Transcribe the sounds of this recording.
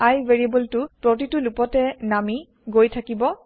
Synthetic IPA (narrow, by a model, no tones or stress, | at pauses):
ajveɹiebultʊpɹotitulupɔtɛnami | ɡojtʰakibɔ